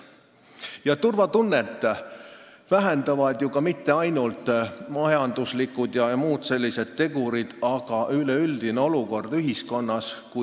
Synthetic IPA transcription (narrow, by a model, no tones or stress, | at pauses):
jɑt̪urvɑt̪unːet̪ːˑ | væɦend̪ɑvɑd̪̥jukɑmit̪ːe̞ɑjnult̪ˑmɑjɑnd̪̥uslikːud̪jɑjɑmuːd̪̥se̞lʲːise̞d̪̥̚t̪ːe̞ɡuɾid̪̥ɑɡ̥ɑʔyleyld̪̥ine̞o̞luko̞rd̪̥yɦisko̞nːɑsku